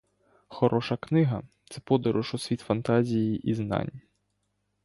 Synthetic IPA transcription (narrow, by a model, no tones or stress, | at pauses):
xɔɾʔɔʃɐknɪɦɐt̪sɛpɔd̪ɐɾʊʃusʲʋʲit̪fɐnt̪azʲijiʔizna̰nʲ